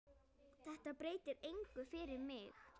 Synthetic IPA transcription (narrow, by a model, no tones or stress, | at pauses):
θɛht̪apɾeːjt̪ɪɾejŋkʏfɪɾɪɾmɪx